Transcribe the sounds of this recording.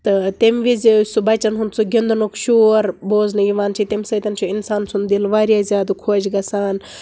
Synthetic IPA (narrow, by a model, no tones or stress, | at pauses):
t̪ɨt̪emʋizisubɐt͡ʃɐnɦunt͡sʰuɡʲind̪unukʃoːɾboːznɐjiʋaːnt͡ʃʰit̪emʲsɐːt̪ɐnt͡ʃʰuinsaːnsund̪ilʋaːɾjaːzʲjaːd̪ukʰoːd͡ʒɡɐsaːn